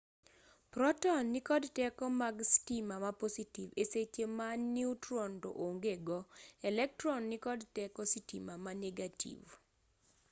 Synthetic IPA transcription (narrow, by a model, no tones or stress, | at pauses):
pɾɔtɔnːɪkɔdtɛkɔmaɡstimamapositiveset͡ʃemannːiutɾɔnto̰ʔoŋɡeɡɔɛlɛk̚trɔnːɪkɔdtɛkɔsitḭmamanɛɡatḭv